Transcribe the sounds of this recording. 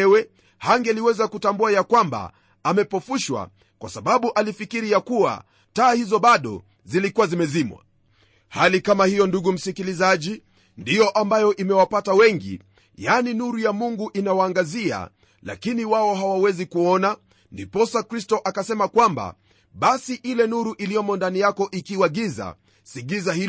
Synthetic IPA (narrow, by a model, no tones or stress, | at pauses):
wɛ | haŋɡɛliwɛzakutambuajakwamba̰ | amɛpɔfuʃwa̰ | kwa̰saɓaɓuʔalifikiɾijakua̰ | taːhizɔɓaɗɔ̰ | zilikuwazimɛzimwa̰ | halikamahijɔnduɠum̩sikilizaʄi | ndijɔʔambajɔʔimɛwapatawɛŋɡḭ | janinuɾujamuŋɡuʔinawaːŋɡazia̰ | la̰kiniwaɔɦawawɛzikuɔna | ndipɔsakɾistɔʔakasɛmakwamba̰ | ɓasiʔilɛnuɾuʔilijɔmɔndanijakɔʔikiwaɠiza̰ | siɠizahil